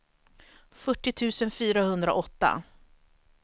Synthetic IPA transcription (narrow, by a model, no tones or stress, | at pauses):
fœʈːɪt̪ʰʉ̟ːsənfyːɾahɵnd̪ɾa̰ʔɔt̪ːa̰